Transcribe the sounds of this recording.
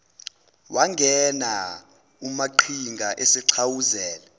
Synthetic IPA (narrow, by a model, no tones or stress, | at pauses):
wʔaŋʱɛna | umaǃʰiŋɡʱaʔesɛǀʰawuzɛːlɛ